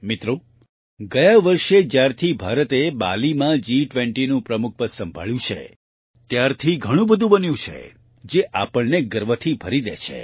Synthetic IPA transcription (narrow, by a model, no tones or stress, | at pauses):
mit̪ɾo | ɡəjaʋəɾʃed͡ʒjaɾt̪ʰibʱaɾət̪eba̰limãd͡ʒiʈʋẽɳʈinũpɾəmuk̚ʰpəsəmbʱa̰ɭjũt͡ʃʰḛ | t̪jaɾt̪ʰiɡʱəɽ̃ũbəd̪ʱũbənjũt͡ʃʰḛ | d͡ʒeʔapəɭneɡəɾʋət̪ʰibʱəɾid̪ḛt͡ʃʰḛ